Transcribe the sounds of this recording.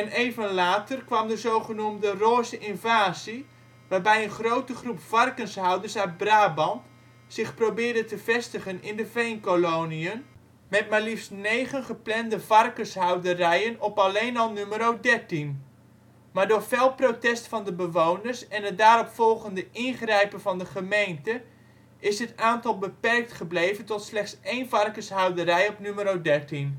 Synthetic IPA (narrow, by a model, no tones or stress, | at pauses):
ɛneːvənlaːtərkʋɑmdəzowχənumdəroːzəʔɪnvaːzi | ʋaːrbɛjənχrowtəχrupfɑrkənsɦawdərsœɥd̚braːbɑnt | sɪχprowbɪːrdətəvɛstəχənɪndəvejnkolowniən | mɛt̚malifsnejχənχəplɛndəvɑrkəsɦawdərɛjənɔpɑlejnɔlˠnyməɾowdɛɹtin | maːɹdʊːɹvelˠprowtɛstfɑndəbəʋownəɹsɛnət̚daːɾɔpfɔlˠɣəndəʔɪnχrɛjpənvɑndəχəmejntə | ɪsɦətaːntɑlˠbəpɛrk̚tχəblejvəntɔtslɛχtsejnvɑrkəsɦawdəɾɛjɔpnyməɾowdɛɹtin